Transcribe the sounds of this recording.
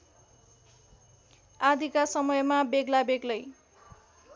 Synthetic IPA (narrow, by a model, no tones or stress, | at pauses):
ad̪ʱikasʌmʌjmabeɡlabeɡlʌj